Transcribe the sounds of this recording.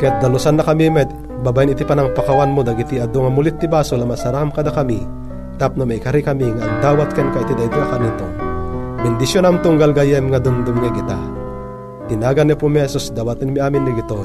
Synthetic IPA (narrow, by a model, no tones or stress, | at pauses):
kɐjat̪̚d̪ɐlʊsanːɐkɐmimɛ | babajɪnɪt̪ipanɐŋpakawanmod̪ɐɡit̪iɐd̪oŋɐmulɪt̪ːibaːsolamasaɾakamkɐd̪akɐmi | t̪ap̚nomakɐɾikɐmiŋaʔːŋd̪aːwat̪̚kɛnkait̪id̪ait̪oʔakanit̪obɪnd̪ɪsjonamt̪ʊŋɡalɡajɛmŋad̪ʊmd̪ʊmŋaɡɪt̪a | t̪ɪnaːɡanːɛpumhɛsusd̪awat̪ɪnmiʔaːmɪnːiɡɪt̪o